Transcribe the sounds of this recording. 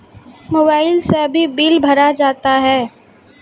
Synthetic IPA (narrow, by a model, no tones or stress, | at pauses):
moːbaːɪlseɐbʱibiːlbʱɐɾad͡ʒaːt̪aɦɛː